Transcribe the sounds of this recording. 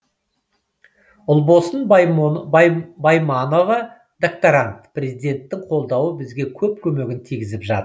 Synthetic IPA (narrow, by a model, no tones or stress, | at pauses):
ʊlˠbo̞sən | bajmano̞vɑ | d̪ak̚t̪oɾant̪pʰrʲe̞zijd̪ʲe̞nt̪ːɪŋqʰo̞lˠd̪ɑwəbɪzɡʲe̞kʲʰɵp̚kʲʰɵme̞ɡʲɪnt̪ʰijɡʲɪzɪpʒɑt̪